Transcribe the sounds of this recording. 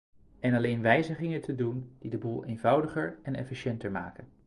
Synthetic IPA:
ɛnɑlejnʋɛjzəχɪŋətʰədund̥idəbuːlˠejnvɑwdəχəɹɛnɛ̰fiʃɛntəɹma̰ːkən

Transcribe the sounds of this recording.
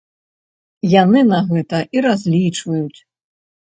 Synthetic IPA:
janɨnaɣɛt̪ɐʔiɾazʲlʲit͡ʂvɐjut͡sʲ

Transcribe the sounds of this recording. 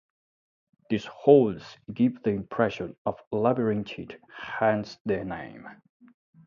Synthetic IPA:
ðishoʊldz̥ɡɪvðiɪ̃mpʰɹ̥ɛʃə̃nɔv̥labəɹɪ̃ŋt͡ʃʰithæ̃nsðə˞nḛ̃ɪ̃m

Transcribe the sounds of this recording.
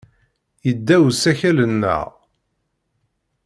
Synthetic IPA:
jəd̪ːæwsæçælənːə̰ʁ

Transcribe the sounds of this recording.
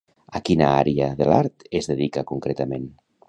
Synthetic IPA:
akinaaɾiaðelaɾt̪ezðeðikakuŋkɾet̪amen

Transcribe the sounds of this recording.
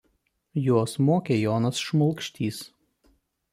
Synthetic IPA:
joɔsmoːkʲeːjoːnɐsʃmɔlˠkʃʲt̪ʲiːs

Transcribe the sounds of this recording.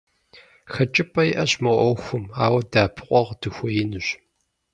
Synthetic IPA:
xɐt͡ʃʼɪpʼɐjɪʔɐɕmɐʔʷɔxʷʊmaːwɐdaːpʰɨqʷʼɔʁd̥ɨxʷɔjɪnɨɕ

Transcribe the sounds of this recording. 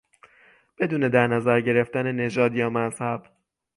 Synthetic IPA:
b̥e̞d̪uːne̞d̪æɾnæzæɾɟe̞ɾe̞ft̪æne̞ne̞d͡ʒɒːd̪jɒːmæzhæb̥

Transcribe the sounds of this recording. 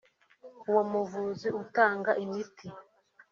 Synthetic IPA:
uwomuvuziʔutaːŋɡaʔimiti

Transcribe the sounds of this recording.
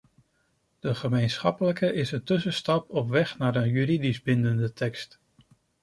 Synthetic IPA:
d̥əχəmejnsχɑpələkəʔɪsəntɵsəstɑpɔpʋɛχnaɾənjyɾidizbɪndəndətʰɛkst

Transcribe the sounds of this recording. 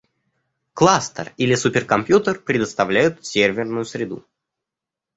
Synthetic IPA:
klˠast̪ə̰rilʲɪsupʲɪrkɐmpʲjut̪ərpɾʲɪd̪əst̪ɐvlʲæjʊt̪sʲervʲɪrnʊjʊsɾʲɪd̪ṵ

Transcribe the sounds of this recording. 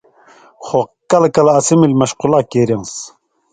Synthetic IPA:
χokːɐlkɐlɐsimilmɐʃqulaːkeɾiŋs

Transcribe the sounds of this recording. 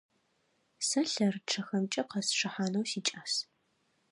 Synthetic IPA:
sɐɬɐrʈ͡ʂʰɐxɐmt͡ʃʼɐqɐsʂɨħaːnɐwsiːt͡ʃʼaːs

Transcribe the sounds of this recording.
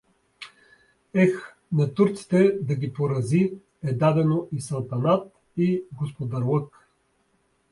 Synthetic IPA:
ɛx | nɐt̪uɾt̪si̥t̪ɛd̪ɐɡʲipoɾɐzi | ɛd̪ad̪ɛnoʔisɐlˠt̪ɐnat̪ | iɡospod̪ɐɾlˠɤk

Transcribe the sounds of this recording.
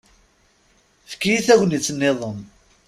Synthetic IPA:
fkːijiθæʝnit͡sːənːeðˤən

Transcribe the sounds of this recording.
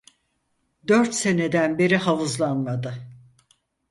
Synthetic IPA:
d̪øɾt̪se̞ne̞d̪ænbeɾihavɯzlˠanmad̪ɯ

